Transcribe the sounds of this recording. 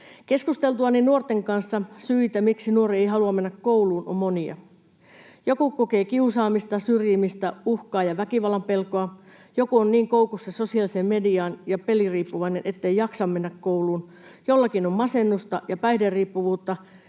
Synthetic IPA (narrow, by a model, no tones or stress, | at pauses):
ke̞skust̪e̞lt̪uɑninuort̪e̞ŋkɑnsːɑsyit̪æmiksinuo̞riejɦɑluɑmme̞nːækkːo̞uluːnomːoniɑ̰ | jo̞kukoke̞ːkiusɑːmist̪ɑsyrjimist̪æuhkɑːjɑʋækiʋɑlːɑmpe̞lkoɑ | jo̞kuonniːŋkoukusːeso̞siɑlisemmediɑːnjɑpe̞liriːpːuʋɑinenʔet̪ːejɑksɑmme̞nːækkowluːn | jolːɑkinommɑsenːust̪ɑjɑpæjhderriːpːuʋuːt̪ːɑ